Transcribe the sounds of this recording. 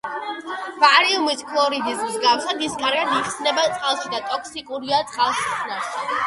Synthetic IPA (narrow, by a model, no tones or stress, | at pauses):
vaɾiumiskʰlˠɔɾid̪ismzɡafsad̪iskʼaɾɡad̪iχsnɛbat̪sʼqʼalˠʃid̪at̪ʼɔkʰsikʼuɾiat̪sʼqʼalˠʃinaɾʃi